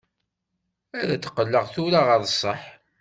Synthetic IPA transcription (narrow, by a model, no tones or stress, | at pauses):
æðæt͡sːə̥qːəlːəʁθuɾaʁəðˤəsˤːəħ